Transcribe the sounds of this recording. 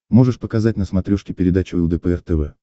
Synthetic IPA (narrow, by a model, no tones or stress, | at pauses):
mo̞ʐɨʂpəkɐzatʲnəsmɐt̪ɾʲɔʂkʲɪpʲɪɾʲɪd̪at͡ɕʊlˠd̪əpəɛrt̪ɛvɛ